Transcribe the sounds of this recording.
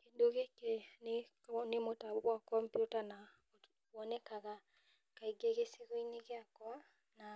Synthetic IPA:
kedoɣekene | nemotawakɔmpjutana | wɔnɛkaɣa | kaiɡɛɣeseɣoineɣeakɔa | na

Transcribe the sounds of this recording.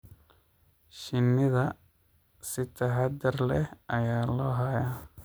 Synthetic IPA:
ʃinːiða | sit̪ːaɦad̪ɐɾlɛɐjaːlɔɦaja

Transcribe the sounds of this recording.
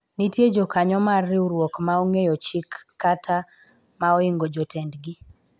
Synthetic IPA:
nitjed͡ʒokaɲɔmarːɪuɾwɔkmauŋejɔt͡ʃɪkːatʰa | maɔiŋɡod͡ʒɔtɛndɡɪ

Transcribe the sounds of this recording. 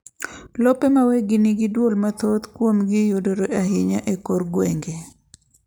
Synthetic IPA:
lɔpemaweɡɪniɡɪdwolmat̪ot̪kwomɡɪjodoɾoaɦɪɲaʔekoɾɡweŋɡe

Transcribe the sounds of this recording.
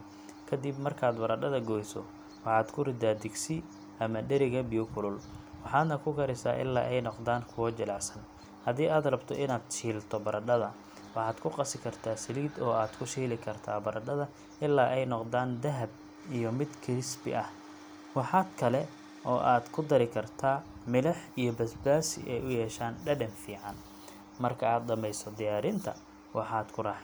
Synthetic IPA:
kʰɐd̪ibmɐrkʰaːd̪bɐɾɐɖɐðɐɡɔːjsɔ̰ | wɑħɑːd̪kʰʊrɪd̪aːd̪ɪɡsɪ | ɐmɐɖɛɾɪɣɐbɪjɔkʰʊlʊlwɑħɑːd̪nɐkʰʊkʰɐɾɪsa̰ːʔɪ̰lːa̰ːʔɛjnɔqd̪aːŋkʰʊwɔt͡ʃɐlɑʕsɐn | hɐðiːʔaːd̪rɐbt̪ʰɔ̰ʔɪnaːd̪̥t͡ʃiːlt̪ʰɔbɐɾɐɖɐðɐ | wɑħɑːd̪kʰʊqɑsɪkʰɐrt̪ʰaːsɪliːd̪ɔːaːd̪kʰʊʃiːlɪkʰɐrt̪ʰaːbɐɾʔɐɖɐðɐ | ɪlːaːʔɛjnɔqd̪aːnd̪ɐɦɐb̚ | ijɞmɪd̪kʰɪrɪsbɪ̰ʔɐh | wɑħɑːd̪kʰɐlɛ | ʔɔːʔaːd̪kʰʊd̪ɐɾɪkʰɐrt̪ʰaːmɪlɐħijɔbɐsbaːsɪ̰ʔɛjʊjɛːʃaːnɖɐɖɐnfiːʕɑn | mɐrkʰɐaːd̪̚d̪ɐmɛjsɔd̪ɪjaːɾɪnt̪ʰɐ̰ | wʔɑħɑːd̪kʰʊrɑħ

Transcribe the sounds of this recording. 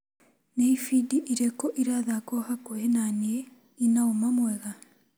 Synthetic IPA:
neifidiʔiɾɛkɔʔiɾaðakɔhakohenanie | inaomamwɛɣa

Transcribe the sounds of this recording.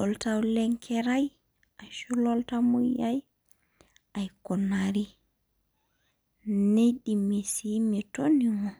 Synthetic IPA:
ʔɔltawlɛŋkʰɛɾaj | ʔajʃulɔltamujjaj | ʔajkɔnaɾi | neɗimisimɛtoniŋɔ

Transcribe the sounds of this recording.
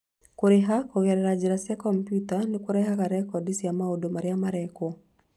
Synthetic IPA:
koɾeɦakoɣɛɾɛɾad͡ʒeɾasjakɔmpjutanekoɾɛɦaɣaɾɛkɔdisijamaodomaɾeamaɾɛkɔ

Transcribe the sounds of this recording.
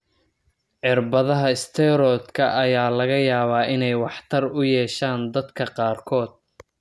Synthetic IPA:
ʕɪrbɐðɐɦɐɪst̪ʰɛɾɔd̪kʰɐʔɐjaːlɐɣɐjaːβaːʔɪnɛjwɑħt̪ʰɐrʊjɛːʃaːnd̪ɐd̪kʰɐqɑːrkʰɔːd̪̥̚

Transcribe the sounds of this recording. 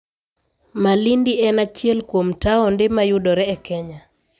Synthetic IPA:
malindiɛnat͡ʃjɛlkwomtaɔndɪmajudɔɾɛːkʰɛɲa

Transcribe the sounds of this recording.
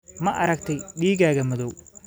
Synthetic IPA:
mɐʔɐɾɐɡt̪ʰɐjɗiːɣaːɣɐmɔðɔw

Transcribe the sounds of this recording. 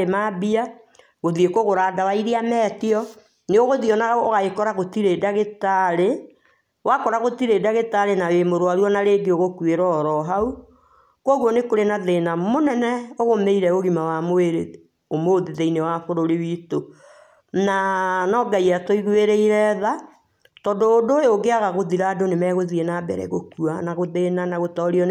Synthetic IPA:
emabia | ɣoðiekoɣoɾadawaiɾeamɛːtiɔ | neoɣoðiɔnaɣaoɣaekɔɾaɣotiɾedaɣetaɾe | wakɔɾaɣotiɾeːdaɣetaɾenawemoɾoaɾwɔnaɾeɡeoɣokweɾɔɾɔɦau | kwɔɣwɔnekoɾenaðenamonɛnɛoɣomeiɾɛɣoɣimawamoeɾe | omoðeðɛinewafoɾoɾewiːto | nanɔːɡaiatoiɣweɾeiɾɛða | tɔdoːdojoɡeaɣaɣoðiɾadonemɛɣoðiɛnaːbɛ̰ɾɛ̰ɣokuanaɣoðenanaɣotɔɾiɔ

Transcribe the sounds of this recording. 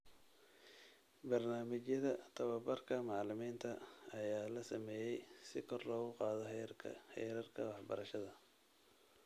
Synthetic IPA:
bɐrnaːmɪt͡ʃjɐðɐt̪ʰɐβɐbɐrkʰɐmɑʕlɪmiːnt̪ʰɐːjaːlɐsɐmɛːjɛjsɪkʰɔrlɔːɣʊqɑːðɔ̰hɛ̰jɾɐrkʰɐwɑħbɐɾɐʃɐðɐ

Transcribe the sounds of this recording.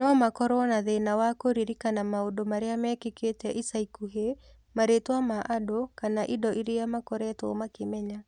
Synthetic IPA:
nɔmakɔɾwɔnaðenawakoɾiɾikanamaodomaɾeamɛkeketɛʔisaikuɦe | maɾetwamaʔadokanaʔidɔʔiɾejamakɔɾɛtwɔ̰makemɛɲa

